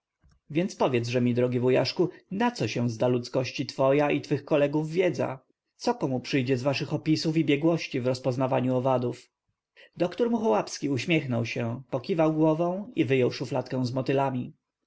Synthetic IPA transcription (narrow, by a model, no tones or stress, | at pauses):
vʲjɛnt̪spɔvʲjɛd̪zʐɛmʲid̪ɾɔɡʲivɔja̰ʂkunat̪sɔɕɛ̃zd̪alut̪skɔɕt͡ɕit̪fɔjaʔit̪fɘxkɔlɛɡuvːʲjɛd̪za̰ | t̪sɔkɔmupʂɘjd͡ʑɛzvaʂɘxɔpʲisufibʲjɛɡwɔɕt͡ɕivɾɔspɔznavaɲuɔvad̪uf | d̪ɔkt̪ɔɾmuxɔwapskʲiuɕmʲjɛxnɔwɕɛpɔkʲivawɡwɔvɔ̃w̃ivɘjɔwʂuflat̪kɛ̃w̃zmɔt̪ɘlamʲi